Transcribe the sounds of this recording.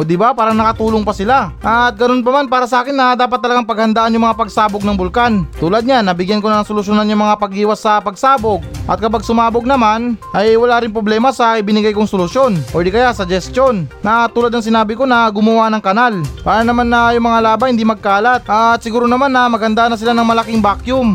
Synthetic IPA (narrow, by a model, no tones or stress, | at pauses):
ʔod̪ɪbapaːɾɐnɐkɐt̪uːloŋpɐsɪlaʔɐt̪̚ɡɐno̞np̬ɐmanpaːɾɐsɐʔaːkɪnːɐd̪aːp̬ɐt̪̚ːɐlɐɡaŋpɐɡhɐnd̪aʔanjʊŋmɐŋapɐɡsaːboɡ̚nɐŋbʊlkant̪uːlɐd̪̚ɲanːɐbɪɡjankonɐsolʊsjonanjʊŋmɐŋapɐɡʔiːwɐsːɐpɐɡsaːboɡ̚ʔɐ̰t̪̚kɐpaɡ̚sʊmaːboɡ̚nɐmanʔɐjwɐlaɾɪŋpɾoblɛːmɐsɐʔɪbɪnɪɡajkoŋsolʊsjo̞nʔod̪ɪkɐjasɐd͡ʒɛst̪jo̞nnɐt̪uːlad̪nɐŋs̬ɪnaːbɪko̞nɐɡʊmɐwanɐŋkɐnalpaːɾɐnɐmanːɐjʊŋmɐŋalaːbahɪnd̪imɐɡ̚kaːlat̪̚ʔɐt̪̚sɪɡuːɾonɐmanːɐmɐɡ̚hɐnd̪aʔnːɐsɪlanɐŋmɐlakɪŋbakjʊm